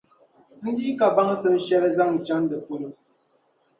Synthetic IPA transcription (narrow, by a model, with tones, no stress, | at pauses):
n̩˦di˦ka˨ba˦ŋ˦sə˦m̩˦ʃɛ˦ɾɛ˦za˦ŋn̩˨t͡ʃa˦n˦də˨po˦ɾə˨